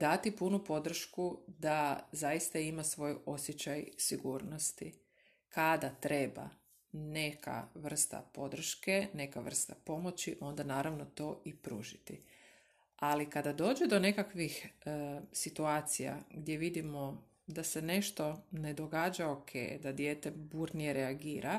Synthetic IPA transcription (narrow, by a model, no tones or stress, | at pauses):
d̪at̪ipunupo̞d̪r̩ʃkud̪azajist̪aimasʋo̞jo̞sjet͡ɕajsiɡuːɾno̞st̪i | kad̪at̪ɾe̞ba̰ | ne̞kʰa̰ʋr̩st̪a̰po̞d̪r̩ʃke̞ne̞kaʋr̩st̪apo̞mo̞t͡ɕiʔo̞nd̪anaːɾaʋno̞t̪o̞ʔipɾṵːʒit̪i | alikad̪ad̪o̞ːd͡ʒed̪o̞ne̞kakʋix | sit̪uaːt̪sija̰ɡd̪je̞ʋid̪imo̞ | d̪ase̞ne̞ʃt̪o̞ne̞d̪o̞ɡaːd͡ʒaokʰḛjd̪ad̪jeːt̪e̞buːɾnije̞ɾeaɡiːɾʔa